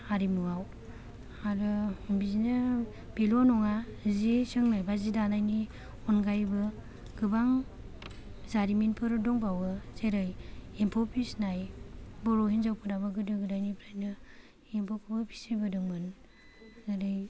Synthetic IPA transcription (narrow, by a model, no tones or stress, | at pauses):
aɾimuaw | aɾɯbizinɯ | b̥elɔnɔŋazesɯŋnajbazidanajni | ɔnɡajbɯ | ɡ̥ɯbaŋ | zaɾiminpʰɯɾɯdɔŋbawɯseɾɯjempʰɔpʰisnajbɔɾɔhinzawpʰɯdabɯɡɯdɯɡɯdajnipʰɾajnɯ | empʰɔkʰɯbɯpʰi̥sibɯdɯŋmɯn | ɡɯɾɯj